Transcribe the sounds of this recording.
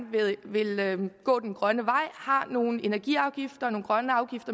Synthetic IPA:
ʋeʋe̝lɡ̥ɔ̰̽ːd̥enɡ̥ʁɶnəʋɑ̈ɪ̰hɑ̈no̝ːn̩e̝næɐɡ̥ḭɑ̈ʊɡ̥ifd̥ɐno̝ːnɡ̥ʁɶnəɑ̈ʊɡ̥ifd̥ɐ

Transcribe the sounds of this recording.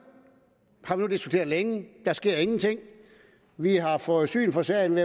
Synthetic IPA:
hɑ̈ʋinud̥isɡ̥u̥t͡sʰe̝̰ɐðˠleŋəd̥ɑsɡ̥e̝ɐ̰e̝ŋn̩t͡sʰeŋ̰ | ʋiɦɑ̈fɔ̽ːð̞̩ˠsy̰ːnfɒ̽sɛɐjnʋe

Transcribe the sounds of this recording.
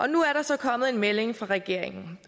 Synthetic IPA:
ʔɒ̽nuæɐɾ̥ɑ̈sɒ̽kʰɒ̽mð̩ˠe̝nmele̝ŋfʁɑ̈ʁɛɡ̥e̝ɐ̰eŋn̩

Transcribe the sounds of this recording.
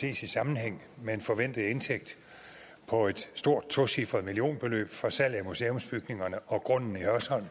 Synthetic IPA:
se̝̰ːsisɑ̈mn̩heŋ̰ | meenfɒ̽ʋen̰d̥ð̩ˠe̝nt͡sʰeɡ̥̚d̥ | pʰɒ̽e̝d̥sd̥o̝ɐ̰d̥̚t͡sʰo̝sifʁɐð̩ˠmilio̝̰ːnb̥e̝lø̰ːb̥fɒsæl̰æmuseːo̽msb̥yɡ̥ne̝ŋɐnəɒ̽ɡ̥ʁɔ̽n̰n̩ihɶɐsɒ̽l̰n̩

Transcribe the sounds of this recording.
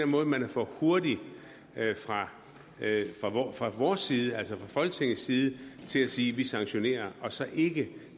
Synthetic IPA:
enmɔ̽ːð̩ˠəmænæfɒ̰ho̝ɐdi | fʁɑ̈ | fʁɑ̈fʁɑ̈ʋɒːsːiːð̞ˠəælsɒfʁɑ̈fɒ̽lɡ̥ət͡sʰeŋð̩siːð̞ˠət͡sʰe̝læsiːʋisɑ̈ŋɕo̝ne̝̰ːɐɒ̽sɒ̽ʔe̝ɡ̥ə

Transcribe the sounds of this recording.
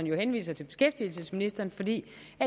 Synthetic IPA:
ɐnjo̝henʋḭːsɐt͡sʰe̝b̥e̝sɡ̥efd̥ilsəsminisd̥ɐːnfɒ̽d̥ḭː | æ

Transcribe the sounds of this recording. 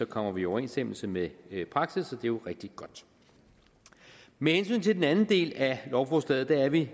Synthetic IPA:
sɒ̽kʰɒ̽m̰ɐʋiɒʊɐe̝nsd̥eml̩səmepʰʁɑ̈ɡ̥sisɒ̽d̥e̝joʁeɡ̥d̥iɡ̥ɒ̽d̥ | mehensy̰ːnt͡sʰe̝d̥enænn̩d̥e̝̰ːlælɒʊfosd̥ɛ̰ð̩ˠd̥ææɐʋi

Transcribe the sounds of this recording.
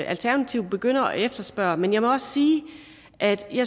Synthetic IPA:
ʔælt͡sʰæɐnæt͡sʰiʊdb̥e̝ɡ̥øn̰ɐɒefd̥ɐsb̥ɶɐmenjɑ̈ɪmɒ̽ɒ̽ssiː | ʔæd̥jɑ

